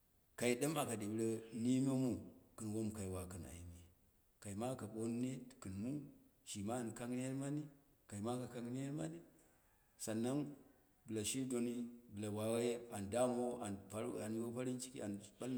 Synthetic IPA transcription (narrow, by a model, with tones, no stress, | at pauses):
ka˨i˨ɗa˦ma˨ka˨di˨bɾe˦ni˦m˦o˦mu˨kɨ˨n˨wo˦m˨ka˨i˨wa˨kɨ˨na̰˨i˨me˨ | ka˨i˨ma˦ka˨ɓo˦n˦ne˦˨kɨ˨nmu˦ʃi˨ma˦˨n˨ka˦ŋ˦ni˦je˦ɾma˦ni˦ | ka˨i˨ma˦ka˨ka˦ŋ˦ni˦je˦ɾma̰˦ni˦ | sa˨nːa˦n | bɨ˨la˨ʃi˦do˨ni˦bɨ˨la˨wa˨wa˦je˦a˨nda˦mo˦a˨npa˦ɾa˨n˦o˦pa˦ɾi˦nt͡ʃi˦kḭ˦a˨nɓa˦l